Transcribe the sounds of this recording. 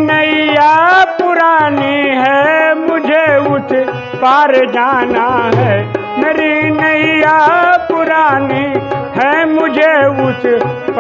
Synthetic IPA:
nəijaːpʊɾaːniɦɛmʊd͡ʒʱeʊt̪ʰ | paːɾd͡ʒaːnaɦɛ | meːɾinəijapʊɾaːniɦɛmʊd͡ʒʱeʊt̪ʰp

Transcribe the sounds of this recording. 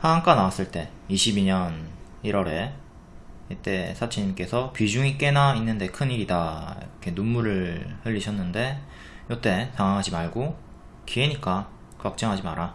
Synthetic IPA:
haaŋk͈anawas͈ɯɭt͈e̞ | iɕʰibiɲʌn | iɾʌɾe̞ | it͈e̞sʰat͡ɕʰeɲimk͈e̞sʰʌpid͡ʑuŋik͈e̞nainːɯnde̞kʰɯniɾidakʰe̞numːuɾɯɭhɯʎːiɕʰʌnːɯnde̞ | jʌt͈e̞taŋaŋɦad͡ʑimaɭɡo | kʰieɲik͈a | kak̚t͡ɕ͈ʌŋɦad͡ʑimaɾa

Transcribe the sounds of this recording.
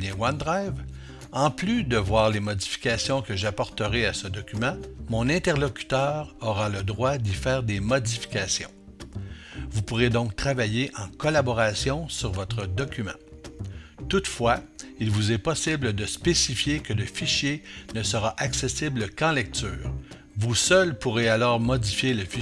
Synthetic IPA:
jɛ̃wand̪ʁajv | ɑ̃plyd̪əvwaːʁlemɔdd͡zifi̥kʲasjɔ̃kəʒapɔʁt̪əʁeasəd̪ɔkʲymɑ̃mɔ̃nɛ̃t̪ɛʁlɔkʲy̥t̪œːʁɔʁaləd̪ʁwad̪ifɛːʁd̪emɔdd͡zifi̥kʲasjɔ̰̃ | vupuʁed̪ɔ̃k̚t̪χavajeʔɑ̃kɔlabɔʁasjɔ̃syʁvɔt̪ʁəd̪ɔkʲymɑ̰̃ | t̪ut̪fwailvuzɛpɔsɪbləd̪əspesifjekələfiʃjenəsəʁaʔaksesɪbləkɑ̃lɛk̚t̪yːʁ | vusœlpuʁealɔːʁmɔdd͡zifjeləfi

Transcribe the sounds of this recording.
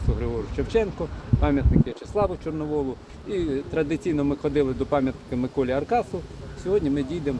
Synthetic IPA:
sʊɦɾɪɦɔɾʲʊt͡ʃewt͡ʃɛnkɔpɑmʲjɐt̪nɪkɪt͡ʃeslˠɑʋʊt͡ʃɔrnɔʋɔlˠʊ | it̪ɾɐd̪ɪt͡sʲijnɔmɪxɔd̪ɪlˠɪd̪ɔpɑmʲjɐt̪nɪkɐmɪkɔlʲiɐrkɑsʊsʲɔɦɔdʲnʲimɪdʲijd̪em

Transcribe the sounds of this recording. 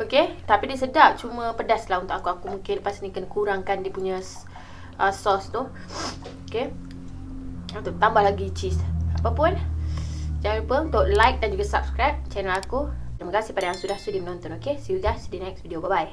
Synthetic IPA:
oket̪apidiəsədap̚t͡ʃumə̃pədaslahunt̪ʊkakuakumuŋkɪnlpasnikənkuɾaŋkandipuɲə̃ | ʔəsɔst̪uh | oke | unt̪ʊʔt̪ambahlaɡit͡ʃisapapʊn | d͡ʒaŋanlupəunt̪ʊʔlajk̚dand͡ʒuɡasap̚skɾajp̚t͡ʃɛnəlakut̪ɾiməkasɪhpadajaŋsudahsudimənɔ̃nt̪ɔnokesiuɡasdinɛk̚svidiobabaj

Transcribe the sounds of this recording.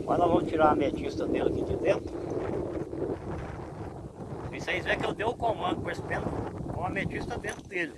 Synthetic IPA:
kɐ̃nɐ̃vɐ̃mt͡ʃiɾaɐmet͡ʃist̪ɐd̪elkɪd̪id̪ẽnt̪ɾʊ | isejzɛkeld̪ewʊkõmɐ̃nd̪ʊpospẽkõɐmet͡ʃist̪ɐd̪ẽnt̪ɾʊd̪elɪ

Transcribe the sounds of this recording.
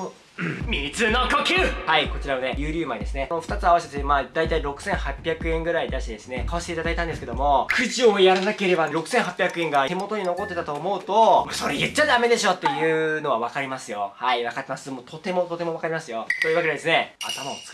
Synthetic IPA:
o | mʲit͡sɨno̞kokʲɨhaiko̞t͡ɕiɾaβane̞jɯ̟ːɾʲɨːmaɲid̪e̞sɨne̞noɸɯ̥t̪at͡sɨaβaɕi̥esemaːd̪ait̪aiɾo̞kɯ̟̥sẽ̞ɰ̃hapʲjakɯ̟ẽ̞ŋɡɯ̟ɾaid̪aɕi̥t̪ed̪e̞sɨne̞kaoɕi̥t̪eit̪ad̪ait̪ãnd̪esɨ̥ke̞d̪o̞mo̞kʰɯ̟ʑiojaɾanake̞ɾe̞baɾo̞kɯ̟̥sẽ̞ɰ̃ɦapʲjakɯ̟ẽŋɡae̞mo̞t̪o̞ɲ̟ino̞ko̞t̪ːe̞t̪at̪o̞ːmo̞ɯ̟t̪o̞moso̞ɾejɯt͡ɕːad̪ame̞d̪e̞ɕo̞t̪ːe̞jɯ̟ːno̞βaβakaɾʲimasɨjo̞haiβakat̪ːe̞masɨmoːt̪o̞t̪e̞mo̞t̪o̞t̪e̞moβakaɾʲimasɨjo̞t̪o̞jiβakeded̪e̞sɨne̞a̰t̪amaot͡sk

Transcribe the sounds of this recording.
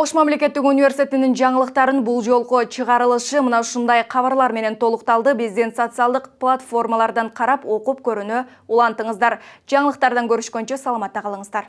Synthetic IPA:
oʃmæmle̞kʲe̞t̪ːɪkunijvʲe̞rsi̥t̪ʰʲet̪ɪnɪŋʒɑɴəlˠəqt̪ɑɾənbʊlˠʒo̞lˠqoʃʰəʁɑɾəlˠəʃəmənɑʃʊnd̪ɑjqʰɑβɑɾlˠɑɾme̞ne̞nt̪ʰo̞lˠəqt̪ɑlˠd̪əbezd̪e̞nt̪so̞t̪sɨɑlˠd̪əqplˠat̪fo̞rmɑlˠɑɾd̪ɑɴqʰɑɾɑpwo̞qup̚kʲʰɵɾynɪ | ulˠɑnt̪əɴəzd̪ɑɾʒ̥ɑɴəlˠəq̚t̪ɑɾd̪ɑŋkʲʰɵɾʏʃkʲent͡ʃe̞sɑlˠɑmɑt̪ːɑqʰɑlˠəɴəzd̪ɑɾ

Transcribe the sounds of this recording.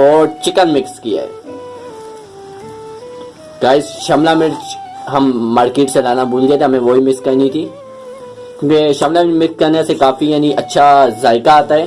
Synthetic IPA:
ɔːɾt͡ʃɪkənmɪkskija̰ɦɛ̰ː | kaːɪsʃɐmlamɪɾɦɐmːaːɾkeːʈselaːnabuːlɡɛt̪eɦɐmẽʋoːimɪkskɐnĩt̪ʰi | kũːkeʃɐmlamɪkskɐɾnesekaːfijaːniʔɐtːʃʰazaːɪkaaːt̪aɦɛː

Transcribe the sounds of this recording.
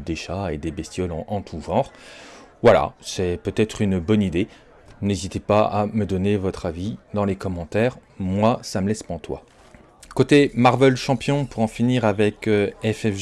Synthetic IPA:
d̪eʃaed̪ebɛst̪jɔlɑ̃ʔɑ̃t̪ʰuvɑ̃ʁ | vwala̰sɛpøt̪ɛt̪χynbɔnid̪e | nezit̪epaaməd̪ɔnevɔt̪χavid̪ɑ̃lekɔmɑ̃t̪ɛʁmwasaməlɛspɑ̃t̪wa̰ | kot̪emaʁvɛlʃɑ̃pjɔ̃puʁɑ̃finiʁavɛkɛfɛf

